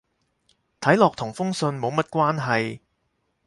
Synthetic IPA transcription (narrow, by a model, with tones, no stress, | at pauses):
t̪ʰɐ˨˥jlɔː˨k̚t̪ʰʊ˨˩ŋfʊ˥ŋsɵ˧nmo˨˧wmɐ˥t̚kʷwaː˥nɦɐ˨j